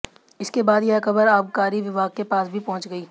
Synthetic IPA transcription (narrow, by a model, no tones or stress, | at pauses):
ɪskebaːd̪jeɦkɐbəɾaːpkaːɾiʋɪʋaːɡ̚kepaːsbʱipɔ̃ɦʊ̃nt͡ʃɡɐiː